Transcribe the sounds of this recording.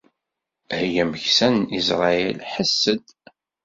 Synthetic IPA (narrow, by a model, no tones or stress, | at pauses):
hjæməçsænisɾˤɑjɛ̰lħəsːəd̪